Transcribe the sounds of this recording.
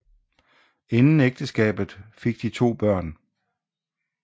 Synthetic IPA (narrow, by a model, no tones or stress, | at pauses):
e̝nn̩eɡ̥̚d̥əsɡ̥ɛ̰ːb̥ð̩ˠfe̝ɡ̥̚d̥it͡sʰo̝̰ːb̥ɶɐ̰n